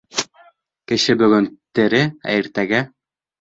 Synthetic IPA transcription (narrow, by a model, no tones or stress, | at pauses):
kɘ̆ʃɘbɵ̆ɡɵnt̪ɘ̆ɾɘæ̰jɘ̆ɾt̪æɡæ